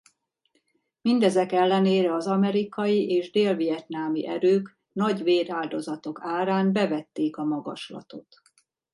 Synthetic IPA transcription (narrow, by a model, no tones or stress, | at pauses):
mind̪ɛzɛkɛlːɛneːɾɛɒzɒmɛɾikɒjiʔeːʒd̪eːlvijɛt̪naːmḭʔɛɾøːk | nɒɟʋeːɾaːld̪o̞zɒt̪o̞kaːɾaːmbɛvɛt̪ːeːkɒmɒɡɒ̰ʃlɒ̰t̪o̞t̪